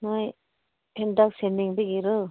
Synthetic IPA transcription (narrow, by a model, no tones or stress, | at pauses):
naj | pʰendak̚senːiŋbeɡiɾɯ